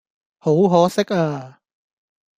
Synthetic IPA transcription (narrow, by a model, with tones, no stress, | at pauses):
ho˨˥wɦɔː˨˥sɪ˥k̚aː˧